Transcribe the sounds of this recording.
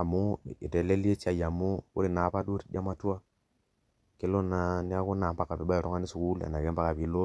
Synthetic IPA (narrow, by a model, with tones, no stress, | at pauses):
a˨mu˦˨i˨te˨le˦li˦e˦t͡ʃa˦˨ja˨mu˦ṵ˦ɾi˦˨na˨˦pa˦du˦ɾi˨da˦ma˦˨tu˦wa˦ | ke˦lo˦na˨ni˦a˦ku˦na˨pa˦kːa˨pi˨˦ba˦˨ɾo˦ŋa˦ni˦su˨ku˦la̰˨na˨ɡe˦mpa˦ka˨pi˨˦lo˦